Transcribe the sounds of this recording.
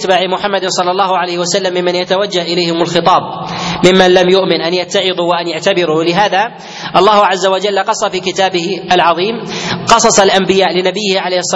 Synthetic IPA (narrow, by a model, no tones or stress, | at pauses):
t̪baːʕɪmʊħamːad̪sˤɑlːɑlˤːɑːhʊʕalajhwasalːamːɪmːanjat̪awad͡ʒːahʔɪlajhɪmʊlxɨt̪ˤɑːb̚mɪmːanlamjʊʔmɪnʔanjat̪ːaʕɪðuːwaʔanjaʕt̪abɪɾuːlɪɦaːða | ʔɑlˤːɑːhʊʕazːawad͡ʒalːqɑsˤːɑfiːkɪt̪aːbɪhʔalʕɑðˤiːmqɑsˤɑsˤɑlʔambɪjaːʔlɪnabɪjːɪhʕalejhɪsˤː